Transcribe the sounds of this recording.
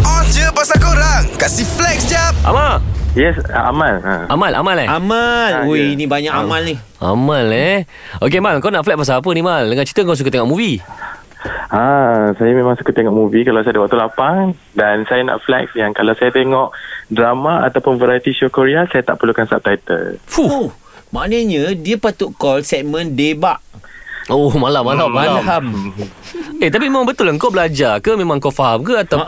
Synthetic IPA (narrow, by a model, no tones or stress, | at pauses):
ɔd͡ʒəpasakoɾaŋkasiflɛksd͡ʒap̚ʔa̰maljɛsa̰a̰malaamalʔa̰malɛamalinĩbaɲaʔamalni | a̰malːɛ | ok̬emalŋkawnaʔflɛk̚pas̬aap̬ənĩmaldəŋant͡ʃi̥t̪əŋkaws̬ukət̪eŋɔʔmũvi | asajamẽmãŋsu̥kət̪ːeŋɔʔmuvikalawsajadawakt̪ulapaŋ | dansajana̰ʔflɛ̰k̚sjaŋkalawsajat̪eŋɔʔdɾamaa̰t̪awpʊnvəɾajt̪isokoɾeasajat̪a̰ʔpəlukansa̰p̚t̪ajt̪ə̰lfu | maʔnəɲə̃diəpat̪uʔkɔlsɛʔ̚mə̃ndebaʔ | omalamːalammalaɦam | et̪ap̬imemãŋbət̪ʊlŋkowbəlad͡ʒakəmẽmãŋkofaɦamkəat̪a